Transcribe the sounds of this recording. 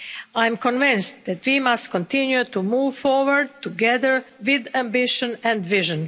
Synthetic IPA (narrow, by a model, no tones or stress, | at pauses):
ajmkɔ̃nvɪ̃nstd̪æt̪wimast̪kɔ̃nt̪ɪ̃njut̪umuːvfɔɹwəɹd̪̚t̪uɡɛðəɹʋɪd̪æ̃mbɪʃə̃nɛ̃nd̪ʋɪʒə̃n